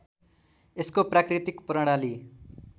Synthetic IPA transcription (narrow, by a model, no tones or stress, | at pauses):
eskopɾakɾit̪ikpɾʌɽ̃ali